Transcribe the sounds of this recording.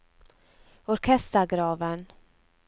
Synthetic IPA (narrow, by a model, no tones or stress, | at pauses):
ɔɾkʰɛst̪əɾɡɾɑːvən